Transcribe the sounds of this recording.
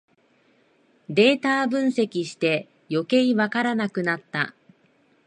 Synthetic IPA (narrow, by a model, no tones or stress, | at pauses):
d̪e̞ːt̪aːbɯ̟̃ɰ̃se̞kʲiɕi̥t̪e̞ | jo̞ke̞iβakaɾanakɯ̟nat̪ːa